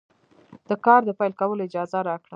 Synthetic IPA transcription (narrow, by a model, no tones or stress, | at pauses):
d̪̥əkɑɾd̪əpajlkawəloɪd͡ʒɑzaɾɑkɽa